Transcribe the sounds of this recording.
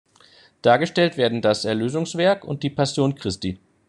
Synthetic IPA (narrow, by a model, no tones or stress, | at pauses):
d̥aːɐɡəʃtɛltv̥eːɐdn̩dasɛɐløːzʊŋsv̥ɛɐkʊ̰nt̚d̥iːpʰasjoːnkʁ̥ɪsti